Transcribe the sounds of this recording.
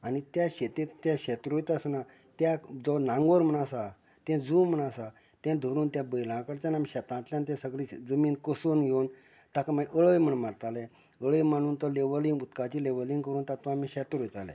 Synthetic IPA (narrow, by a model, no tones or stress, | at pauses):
anit̪jaɕet̪et̪jãɕɛt̪ɾojt̪asna | t̪jad͡zɔnãŋɡoɾm̤əɳ̃asa | t̪ɛ̃d͡zuːmm̤əɳ̃asa | t̪ɛ̃d̪ʱoɾuːnt̪jãbəjlãkəɾt͡ɕanamiɕɛt̪ãt̪ljãnt̪̬ɛ̃səɡlid͡zəmiːnkəsoːnɡʱewn | t̪akamaʔəɭəjm̤əɳmaɽt̪alɛ | əɭəjmaɽ̃uːnt̪ɔleʋəlĩŋɡut̪kat͡ɕiːleʋəliŋkəɾuːnt̪at̪ʋãamiɕɛt̪ɾojt̪alɛ̰